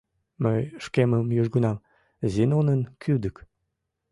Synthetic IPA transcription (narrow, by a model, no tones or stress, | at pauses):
məjʃkeməmjyʒɡunɑm | zinonənkʰyd̪ək